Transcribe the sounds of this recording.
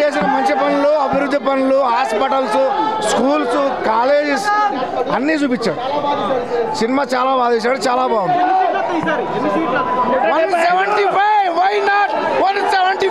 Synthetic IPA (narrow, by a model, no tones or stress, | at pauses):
e̞ːs̬inɐmɐɲt͡ʃipɐnuluɐbʱiɾud̪ʱːipɐnuluɦaːspɐʈɐlsuskuːlskaːle̞ːd͡ʒisɐnːiːt͡ʃuːpit͡ʃːaːɽu | sinimaːt͡ʃaːlaːbaːd̪iːs̬aːɽut͡ʃaːlaːbaːund̪ | mɐsɛʋɐɳʈipajʋɐjnaːʈ̚ | ʋɐnsɛʋɐɳʈi